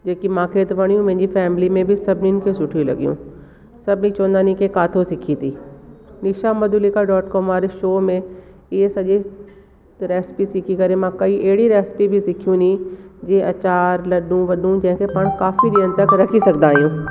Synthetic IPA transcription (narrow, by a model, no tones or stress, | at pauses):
d͡ʒeːkimãːkʰeːt̪ʋɐɽ̃jũmɛ̃ɦɪ̃ɲd͡ʑifɛːmlimẽbʱisɐbninkʰesʊʈʰijũlɐ̰ɡjṵ̃ː | sɐbnĩt͡ʃõːnd̪aːnĩkekaːt̪ʰosɪkʰit̪ʰiːnɪʃaməd̪ʊlikaɖɔːʈkɔːmaːɾeʃoːmẽ | ɪɦesɐʄi | ɾɛːspisɪkʰikɐɾẽmãkɐiʔeːɽiɾɛːspibʱisɪkʰijũnĩːd͡ʒẽʔɐt͡ʃaːɾlɐɗũʋɐɗũd͡ʒɛ̃ɦɪ̃kepaːɽ̃kaːfiɗ̪iə̃nt̪əkɾɐkʰisɐkd̪aːɦijũː